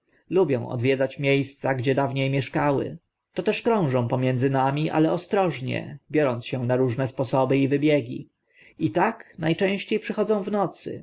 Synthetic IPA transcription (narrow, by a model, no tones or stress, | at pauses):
lubʲjɛ̃w̃ɔ̰d̪vʲjɛd̪zat͡ɕmʲjejst̪saɡd͡ʑɛd̪avɲejmʲjɛʂkawɘ̰ | t̪ɔt̪ɛʂkɾɔ̃w̃ʐɔ̃w̃pɔmʲjɛnd̪zɘnamʲiʔa̰lɛɔst̪ɾɔʐɲɛ̰bʲjɔɾɔnt̪ɕɛnaɾuʐnɛspɔsɔbɘivɘbʲjɛɡʲḭ | it̪aknajt͡ʂɛ̃w̃ɕt͡ɕejpʂɘxɔd̪zɔ̃w̃vnɔt̪sɘ̰